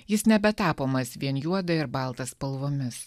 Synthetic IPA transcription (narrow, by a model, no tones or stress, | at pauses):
jɪsnʲɛbʲɛt̪ɑːpoːmɐsʋʲiɛnjuɔd̪ɐɪɾbɐˑlˠt̪ɐspɐlˠʋoːmʲɪs